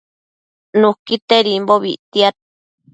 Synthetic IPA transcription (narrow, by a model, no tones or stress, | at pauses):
nukit̪eɾimboβḭʔt̪iat̪̚